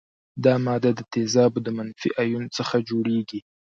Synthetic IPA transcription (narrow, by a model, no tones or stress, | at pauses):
d̪ɑmɑd̪ad̪ət̪ezɑbd̪əmanfḭʔajunt͡səxad͡ʒoɽeɡi